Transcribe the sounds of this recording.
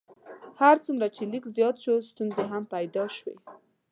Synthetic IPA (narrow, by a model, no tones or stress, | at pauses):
haɾt͡sumɾat͡ʃelikzjɑt̪ʃost̪unzeɦampajd̪ɑʃwḛ